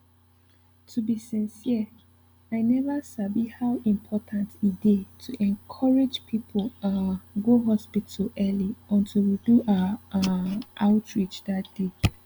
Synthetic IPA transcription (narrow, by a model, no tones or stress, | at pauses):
tʰubisɛ̃nsiə | aɪnɛvəsabihawʔĩmpʰɔtʰãntʰidetʰuʔɛ̃nkʰɔɹid͡ʒpʰipʰolãnɡoɦɔspitulʔɛliɔ̃ntʰilwiduʔa | ʔaʊtʰɹit͡ʃdat̚d̥e